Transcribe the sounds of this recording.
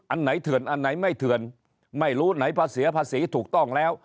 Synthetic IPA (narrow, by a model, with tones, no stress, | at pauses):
ʔa˧nna˨˦jt̪ʰɨ˨˩ənʔa˧˩nːa˨˦jma˧˩jt̪ʰɨ˧˩˨ən | ma˧˩jlu˧˥na˨˦jpaː˧si˨˦əpaː˧˥si˨˦t̪ʰu˨˩ək̚t̪ɔ˧˩ŋlɛ˧w